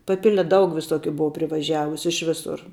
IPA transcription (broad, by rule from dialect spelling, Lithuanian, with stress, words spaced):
pɐˈpʲɪlʲɛ ˈdɐʊk ʋʲɪˈsoːkʲʊ ˈbʊʋoː pʲrʲɪʋɐˈʒʲæːʋʊsʲʊ ɪʃ ˈʋʲɪsʊr